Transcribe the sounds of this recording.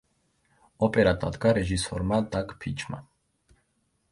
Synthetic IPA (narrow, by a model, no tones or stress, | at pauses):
ɔpʼɛɾad̪ʼa̰d̪ɡaɾɛʒisɔɾmad̪aɡpʰit͡ʃʰma̰